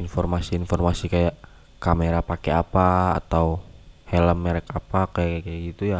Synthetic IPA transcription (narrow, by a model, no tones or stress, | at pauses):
infɔrmasiːnfɔrmasikajaʔ | kameɾapakeapa̰ːt̪awhɛləmːeɾɛkapakajaʔkakaaɡit̪uja